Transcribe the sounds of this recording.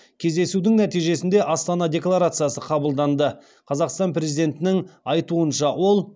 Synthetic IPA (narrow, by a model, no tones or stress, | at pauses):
kʲʰe̞zd̪e̞sud̪ɪŋnæt̪ijʒe̞sɪnd̪e̞ʔɑst̪ɑnɑd̪ʲe̞klˠaɾat̪sɨjasəqʰɑbəlˠd̪ɑnd̪ə | qʰɑzɑqst̪ɑnpɾʲe̞zijd̪ʲe̞nt̪ɪnɪŋɑjt̪uənʃɑwo̞lˠ